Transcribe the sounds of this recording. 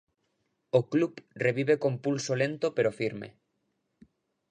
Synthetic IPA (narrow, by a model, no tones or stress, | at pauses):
oklupreβiβekompulsolent̪opeɾofiɾmḛ